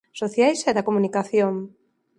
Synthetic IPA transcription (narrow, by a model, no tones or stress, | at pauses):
soθjajsɛðɐkomunikaθjoŋ